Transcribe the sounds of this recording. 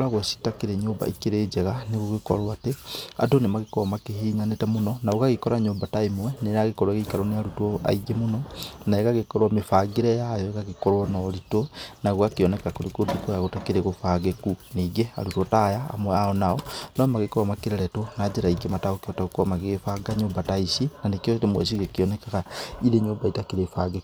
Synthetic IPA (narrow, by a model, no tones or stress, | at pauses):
aɣwesi̥takeɾeɲoːmba̰ikeɾed͡ʒɛɣaneɣoɣekɔ̰ɾwatea̰donemaɣekɔɔmakehiːɲanetɛmonɔnaoɣaɣekɔɾaɲoːmbataimwɛneɾaɣekɔɾwaɣeikaɾoneaɾutɔa̰iɡemonɔnaeɣaɣekɔɾwamefaɡeɾɛjajɔeɣaɣekɔɾwɔnɔɾitonaɣwakeɔnɛkakoɾekodukojaɣotakeɾeɣofaɡekuneɡea̰ɾutotaja̰ːmwɛaɔnaɔnɔmaɣekowamakeɾeɾɛtonad͡ʒeɾaiɡemataokeɔtaokoamaɣeɣefaɡaɲombataisinanekeotemwɛ̰s̬iɣekiɔnɛkaɣaiɾeɲoːmbaitakiɾefaɡeku̥